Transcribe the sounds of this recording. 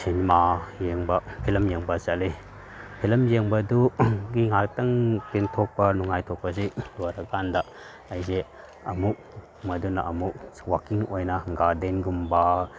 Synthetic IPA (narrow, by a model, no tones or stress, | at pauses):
sʰenmajeŋbɐpʰelɐmjeŋbɐsale | pʰelɐmjeŋbɐduɡiŋak̚tɐŋpintʰɔk̚pɐnuŋajtʰɔk̚pɐziloɾɐkandɐ | ɐjze | ɐmuk̚ | mɐdunɐʔɐmuk̚wakiŋojnɐɡadenɡumba